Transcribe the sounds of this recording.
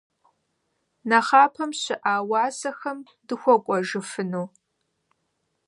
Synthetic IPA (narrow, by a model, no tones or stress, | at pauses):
nɐχɑːpʰɐmɕɪʔaːwɑːsɐxɐm | dɨxʷɔkʷʼɔʒɨfɨnuː